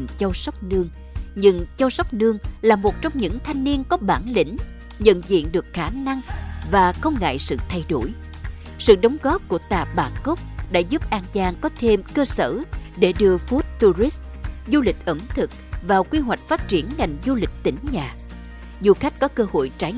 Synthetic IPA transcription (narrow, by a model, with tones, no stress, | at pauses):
ŋt͡ɕɔ˧wsɔ˦˥wk͡p̚nɨ˧əŋ | ɲɨ˧ŋt͡ɕɔ˧wsɔ˦˥wk͡p̚nɨ˧əŋlaː˨˩mo˨˩t̚t͡ɕɔ˧wŋ͡mɲɨ̰˧˥ŋt̪ʰa˧jŋ̟ni˧ənkɔ˨˦ɓaː˧˩nlḭ̈˧˥ŋ̟ | ɲə̰˧˨nzḭ˧˨ənɗɨ˨˩ək̚xaː˧˩na˧ŋvaː˨˩xə˧wŋ͡mŋa̰ː˧˨jsɨ̰˧˨t̪ʰa˧jɗo˧˩j | sɨ̰˧˨ɗə˨˦wŋ͡mɣɔ˦˥p̚ku˧˩ət̪a̰ː˨˩ɓaː˧˩nkə˦˥k͡p̚ɗa̰ː˧˥zu˦˥p̚ʔaː˧nt͡ɕaː˧ŋkɔ˨˦t̪ʰe˧mkəː˧səː˧˩ɗe˧˩ɗɨ˧əfu˦˥t̚t̪u˧zi˦˥s | zu˧lï˨˩k̟̚ʔə˨˩mt̪ʰɨ˨˩k̚vaː˨˩wkwi˧ɦwa˨˩jk̟̚faː˦˥t̚t͡ɕi˧˩ənŋa˨˩jŋ̟zu˧lï˨˩k̟̚t̪ï˧˩˦ŋ̟ɲaː˨˩ | zu˧xa˦˥jk̟̚kɔ˨˦kəː˧ho̰˧˨jt͡ɕaː˨˧˦j